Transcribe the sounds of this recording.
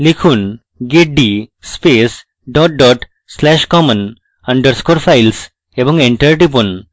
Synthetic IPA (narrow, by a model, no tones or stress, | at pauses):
likʰun | ɡeʈ̚ɖiːspeːs | ɖɔːʈ̚ɖɔːʈ | slæʃkɔmə̃n | ɐ̃ɳɖəɾskoɾfaɪls | ebɔ̃ŋẽɳʈəɾʈip̬un